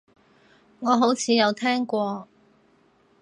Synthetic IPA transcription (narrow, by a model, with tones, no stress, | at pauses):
ŋɔː˨˧ɦo˨˥wt͡sʰiː˨˧jɐ˨˧wt̪ʰɛː˥ŋkʷɔː˧